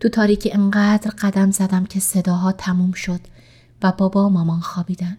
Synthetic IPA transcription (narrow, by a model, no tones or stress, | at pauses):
t̪ʰut̪ʰɒːɾiːcʰieŋɢæːd̪ɾɢæd̪æmzæd̪æmcʲʰe̞se̞d̪ɒːɦɒːt̪ʰæmumʃo̞d̪̥ | væbɒːbɒːmɒːmɒːnxɒːbiːd̪æn